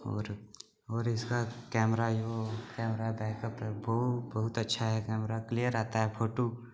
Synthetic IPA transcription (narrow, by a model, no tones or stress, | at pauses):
ɔ̰ːɾ | ɔːɾɪskakɛːmɾajokɛːmɾaɦbɛ̃ːkəpɦɛbɐʊt̪bɐɦʊt̪ɐtːʃʰaɦɛkɛːmɾaklijəɾaːt̪aɦɛpʰoːʈoː